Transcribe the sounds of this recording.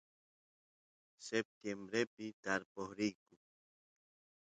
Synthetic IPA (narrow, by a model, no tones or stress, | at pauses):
sep̚t̪jembɾepɪt̪aɾpohɾikʊ